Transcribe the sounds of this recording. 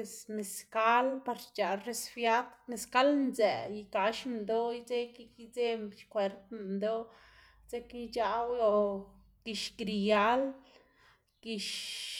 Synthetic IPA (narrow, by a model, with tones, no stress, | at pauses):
e˧sne˨ska˦lpa˧ɾt͡ʃa˨ɾe˧sfja˦t̪ne˧ska˦lnd͡zɛ̰˨ji˧ka˨ʃmd̪o˦i˦t͡se˦ki˧ki˧t͡se˦mʃkʷwe˨˧ɾt̪md̪o˦ | t͡se˦ki˦t͡ʃa˧wjo˧ | ɡ̥i˧ʃɡɾi˨ja˦l | ɡ̥i˧ʃ